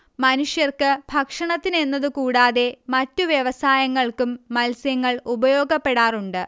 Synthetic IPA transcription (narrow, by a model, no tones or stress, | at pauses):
mɐnuʂjɐrkɨbʱɐkʂɐɳɐt̪ːine̞nːɐðɨkuːɽaːðe̞mɐtːuʋjeʋɐsaːjɐŋːɐɭkumːɐlsjɐŋːɐɭubɐjo̞ːɡɐpːe̞ɽaːruɳɖɨ